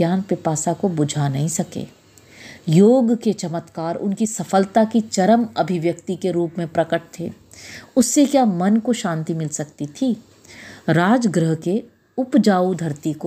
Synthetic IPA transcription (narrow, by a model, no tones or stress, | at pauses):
jaːnpɪpaːsakobʊd͡ʒʱanɐɦĩsɐkḛː | joːɡket͡ʃɐmət̪kaːɾʊ̰nkisɐfəlt̪akit͡ʃɐɾəmɐbʱɪʋjəkt̪ikeɾuːpmẽpɾɐkəʈ̚t̪ʰḛː | ʊsːekjaːmɐnkoʃãːnt̪imɪlsɐkt̪it̪ʰi | ɾaːd͡ʒɡɾəɦke | ʊpd͡ʒaːud̪ʱɐɾt̪iko